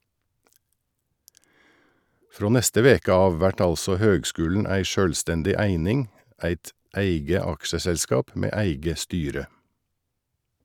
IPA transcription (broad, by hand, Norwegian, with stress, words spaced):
ˈfɾoː ˈnɛstə ˈʋeːkə ˈɑːʋ ˈʋæʈ ˈɑlsɔ ˈhøːɡˌskʉːlɳ̩ ˈæɪ ˈʃøːlstɛndɪ ˈæɪnɪŋ ˈæɪt ˈæɪɡə ˈɑkʃəsɛlˌskɑːp ˈmeː ˈæɪɡə ˈstyːɾə